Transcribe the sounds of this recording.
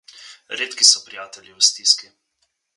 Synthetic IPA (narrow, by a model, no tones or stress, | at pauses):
ɾeːt̪kisɔpɾijaːt̪ɛlʲjiwst̪iski